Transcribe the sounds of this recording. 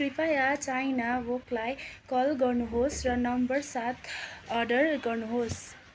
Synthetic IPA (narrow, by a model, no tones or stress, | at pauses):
ripajat͡sajnawoklajkʌlɡʌrnuɦosrʌnʌmbʌrsat̪ʰʌrɖʌrɡʌrnuɦos